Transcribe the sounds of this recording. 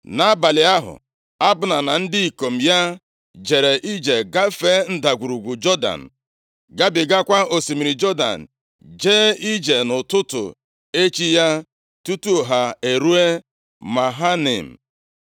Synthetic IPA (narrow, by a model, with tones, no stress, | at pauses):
na˨˦ba˨lɪ˨a˦ɦʊ̰˨ | a˦bʊ˨na˨na˨n̩˦dɪ˦i˨ko˨m̩˨ja˦ | d͡ʒe˨ɾe˨ʔi˦d͡ʒe˨ɡa˦fe˦n̩˦da˨ɡʷu˨ɾu˨ɡʷu˨d͡ʒɔ˦da̰˨n̩˨ | ɡa˦bɪ˨ɡa˦kʷa˦o˨si˨mi˨ɾi˨d͡ʒɔ˦da̰˨n̩˨ | d͡ʒeː˦i˦d͡ʒe˨nʊ˨tʊ˦tʊ̰˨ | e˦t͡ʃi˦ja˦ | tu˦tu˦˨ɦa˨e˨ɾu˦e˦ | ma˨ɦa˦nḛ˨m̩˨